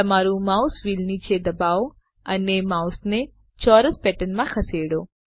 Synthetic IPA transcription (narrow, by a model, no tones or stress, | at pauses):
əmaːɾũmausʋiːlnit͡ʃʰed̪əbao | ənemausne | t͡ʃɔɾəspɛʈənmãxʰəseɽo